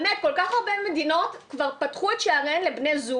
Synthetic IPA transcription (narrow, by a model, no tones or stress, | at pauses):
nekolkaχaʁbemedino̞tkvaʁpatχuetʃeaʁenlebnezu